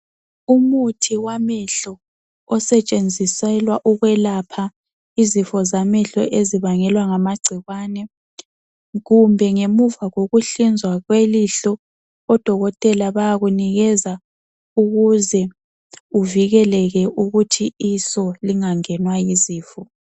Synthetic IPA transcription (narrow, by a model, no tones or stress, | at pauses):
umutʰiwamɛɬɔː | sɛt͡ʃʼend͡zʱisɛlwaʔuɣwɛlapʰa | izifɔzamɛɬɔ̰ʔeziβaŋɛlwaŋamaɡ͡ǀʱiɣwanɛ | ɣumbʱɛŋemuvaɣoɣuɬind͡zʱwaɣweliɬɔː | d̥ʱɔɣɔtʼɛlaβajaɣuniɣɛza | uɣuzɛ | uviɣɛlɛɣɛʔuɣutʰiːsɔliŋaŋɛnwajiziːfɔ